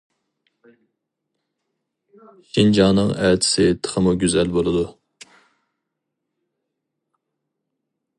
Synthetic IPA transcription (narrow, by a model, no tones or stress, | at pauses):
ʃind͡ʒɑnɨŋæt̪ʰɪ̥sɪt̪ʰə̥χʰəmuɡʲyzɛlbolˠɨd̪u